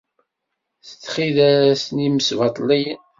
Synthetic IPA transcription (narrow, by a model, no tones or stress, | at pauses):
θə̥t͡sːχiðæsniməsvɑt̪ˤlij